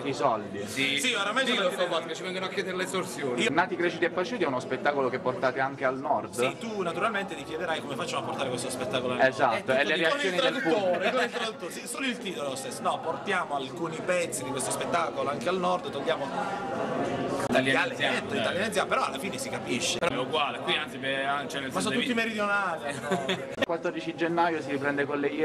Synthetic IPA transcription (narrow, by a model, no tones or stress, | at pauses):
isɔld̪isisioɾamajsosɔpat̪ket͡ʃːivɛŋɡonoakːjɛːd̪eɾelesorsjoːnionːaːt̪ikɾet͡ʃut̪iɛpːat͡ʃuːt̪iɛunospet̪ːaːkolok̟epːort̪aːt̪eaŋk̟ealnɔrd̪st̪unat̪uɾalment̪et̪ikjɛd̪eɾajkomefat͡ʃːamoapːort̪aɾekwest̪ospet̪ːaːkolonezat̪ːoɛlːeɾeatːsjoːnid̪elpɔɾkilt̪ɾot̪ːusisoːloilt̪iːt̪olost̪esːonɔport̪jaːmoalkuːnipɛt̪sːid̪ikwest̪ospet̪ːaːkoloaŋkealnɔrd̪t̪oʎːjaːmo | it̪aljaajaɛt̪ːoit̪aljanid̪zjampeɾɔalːafiːnesikapiʃːepeɾɔɛuɡwaːlekwiant̪sipeant͡ʃɛnemasɔnt̪ut̪ːimeɾid̪jonaːli | kwat̪ːɔrd̪it͡ʃid͡ʒenːajosiɾipɾɛnd̪ekolːe